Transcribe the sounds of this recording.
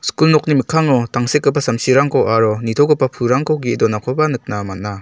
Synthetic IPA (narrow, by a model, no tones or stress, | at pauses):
skulnɔk̚nimikʰaŋɔtaŋsekːɯpːasamsiɾaŋkʰɔwʔaɾɔnitʰɔɡɯpːapʰuɾaŋkɔɡidɔnakʰɔbanɯk̚namat̚na